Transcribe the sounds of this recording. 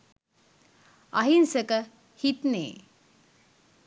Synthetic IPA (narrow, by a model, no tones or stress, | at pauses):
ɐɦinsəkə | hit̪nḛː